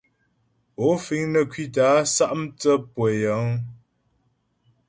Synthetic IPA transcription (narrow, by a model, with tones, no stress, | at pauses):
o˨˦fi˨˦ŋnə˨kʰɥi˦˨t̬a˨˦sa˦ʔmt͡sə˦pwe˨jə˨˦ŋ